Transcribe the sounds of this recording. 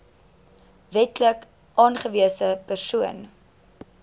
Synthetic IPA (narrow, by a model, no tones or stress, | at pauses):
vɛtlək | ʔɑːnχəviəsəpərsuən